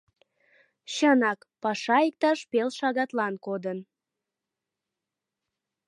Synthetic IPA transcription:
ɕənɑk | pɑʃɑik̚t̪ɑʃpelʃɑɣɑt̪lɑnkod̪ən

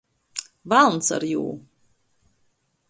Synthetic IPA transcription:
valˠnsa̰ɾjṵː

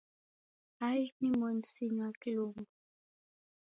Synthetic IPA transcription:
ajnimɔnsiɲwakilombu

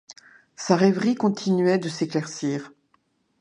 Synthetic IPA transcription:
saʁɛvʁikɔ̃t̪ʰinɥɛd̪əseklɛʁsiːʁ

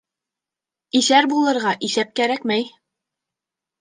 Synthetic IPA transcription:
iθæɾbulˠɤ̆ɾʁɑʔiθæp̚kæɾækmæj

